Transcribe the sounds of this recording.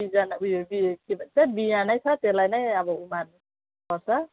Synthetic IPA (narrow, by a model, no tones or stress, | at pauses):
izanaujɔbikibatabijanajsʰatelajnajabɔuman | kɔsa